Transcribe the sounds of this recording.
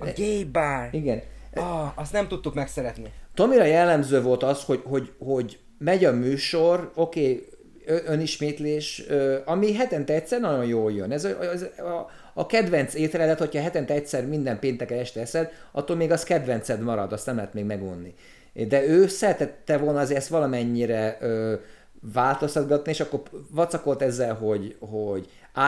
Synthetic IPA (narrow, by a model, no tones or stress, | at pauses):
ɡejbaːliɡɛn | ɒst̪nɛmt̪ut̪ːukmɛksɛɾɛt̪nit̪o̞miɾɒjɛlːɛmzøːvo̞lt̪ɒsho̞ɟho̞ɟho̞ɟ | mɛɟɒmyːʃo̞ro̞keː | øøniʃmeːt̪leːʃøːɒmiɦɛt̪ɛnt̪ɛɛc̚tsɛrnɒɟo̞njoːljø̰nɛzzː | kɛd̪vɛnt̪seːt̪ɛlɛlɛt̪ho̞chɒːɦɛt̪ɛnt̪ɛɛct̪ʲsɛrmind̪ɛmpeːnt̪ɛkɛnlɛʃt̪ɛɛsɛd̪ɒ̰t̪ːolmeːɡɒskɛd̪ʋɛnt̪sɛd̪mɒɾɒd̪ɒst̪nɛmlɛɦɛt̪meːɡmɛɡṵnːi | d̪ɛøːsɛɾɛt̪ɛt̪ːɛvo̞lnɒːzeːɾɛst̪ʋɒlɒmɛɲːiɾɛøː | vaːlt̪o̞st̪ɒd̪ɡɒt̪nieːʃɒkːo̞rvɒt̪sɒko̞lt̪ɛzːɛlɦo̞ɟhoɟ | aː